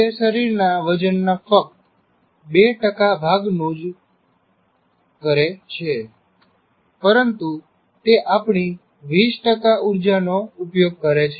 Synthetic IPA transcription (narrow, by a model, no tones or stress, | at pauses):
t̪eʃəɾiɾnaʋəd͡ʒənːafək̚t̪ | beʈəkabʱaɡnũd͡ʒ | kəɾet͡ʃʰe | pəɾənt̪u | t̪eʔapɳ̃i | ʋisʈəkaʔuɾd͡ʒanoupjoɡ̚kəɾet͡ʃʰe